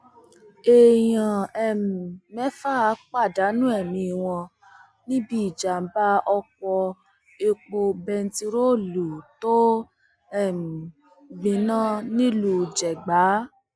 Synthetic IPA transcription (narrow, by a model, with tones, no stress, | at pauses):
e˨jã˨ɛ˨m˨mɛ˦fa˦˨˦k͡pa˦˨da˨˦nũ˦ɛ˦˨mĩ˧˨w̃ɔ̃˧ | nĩ˦bi˦i˦˨d͡ʒa˨m̩˦ba˦ɔ˧kɔ˧ | e˧k͡po˧bɛ˧n̩˦ti˧ɾo˦˨lu˨to˦ | ɛ˦˨m˨ | ɡ͡bĩ˨˦nã˦nĩ˦lu˧˨d͡ʒɛ˨ɡ͡ba˨˦